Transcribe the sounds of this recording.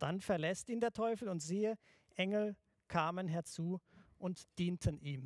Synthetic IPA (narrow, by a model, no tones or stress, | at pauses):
d̥anfɛɐlɛstiːndeːɐtʰɔʏfl̩ʊntz̥iːə | ʔɛŋl̩ | kʰaːmənɦɛɐt͡suːʔʊntd̥iːntʰənʔiːm